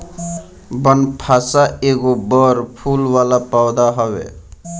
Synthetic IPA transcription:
bənpʰasaeɡobʌɾpʰulwalapawd̪aɦʌwḛ

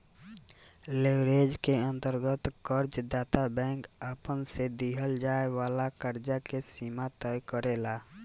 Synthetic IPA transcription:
lewɾed͡ʒkeə̃nt̪əɾɡət̪kəɾd͡ʒd̪aːt̪abɛ̃ŋkapənsed̪iɦəld͡ʒaeʋaːlakəɾd͡ʒakesimat̪əjkəɾela

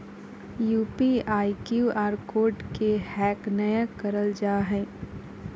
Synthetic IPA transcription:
juːpiaːikjuːaːɾkoːɾɖkehɛːknɐjakɐɾəld͡ʒaːɦɛ̃ː

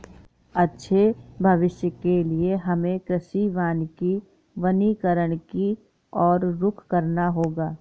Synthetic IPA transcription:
ɐtːʃʰebʱɐʋɪʃjəkelieɦɐmẽkɾɪʃiʋaːnki | ʋənikəɾəɽ̃ki | ɔːɾːʊkʰkəɾnaɦoːɡaː

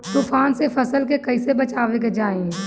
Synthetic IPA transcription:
t̪uːfaːnsefʰɐsəlkekɐɪsebɐt͡ʃaːʋeked͡ʒaːẽ

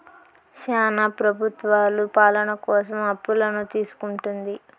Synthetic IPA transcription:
ʃaːnapɾɐbʱut̪ʋaːlupaːlɐnɐkɔːsɐmɐpːulɐnut̪iːsu̥kuɳʈund̪i

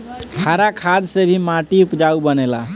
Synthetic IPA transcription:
kʰaɾakʰad̪sebʱimaʈiupd͡ʒaubənela

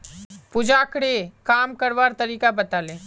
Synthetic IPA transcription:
pʊd͡ʒaːkɽekaːmkəɾʋaːɾt̪ɐɾiːkabɐt̪aːlẽː

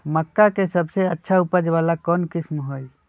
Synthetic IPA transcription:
məkːakesəbseətːʃʰaupəd͡ʒʋalakɔːnkɪsmɦoj

